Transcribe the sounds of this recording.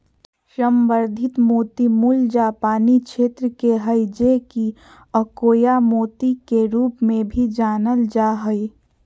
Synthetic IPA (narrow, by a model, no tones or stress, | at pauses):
ʃəmbəɾd̪ʱɪt̪moːt̪imuld͡ʒapaːnikʃeːt̪ɾəkeɦəɪd͡ʒeki | əkoːjamoːt̪ikeɾuːpmẽbʱid͡ʒaːnəld͡ʒaɦəi